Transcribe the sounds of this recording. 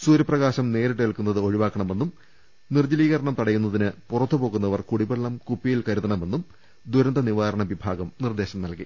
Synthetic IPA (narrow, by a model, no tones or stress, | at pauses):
suːɾɐprɐɣaːɕɐmne̞ːɾiʈːɨɐlkunːɐðɨo̞ɻiʋaːkːɐɳɐme̞nːum | nird͡ʑɐliːɣɐɾɐɳɐmt̪ɐɽɐjːunːɐðinɨpurɐt̪ːupo̞ːɣunːɐʋɐrkuɽibeɭːɐmkupːijilkɐɾuðɐɳɐme̞nːum | d̪uɾɐnd̪ɐniʋaːɾɐɳɐʋibʱaːɡɐmnird̪e̞ːɕɐmnɐlki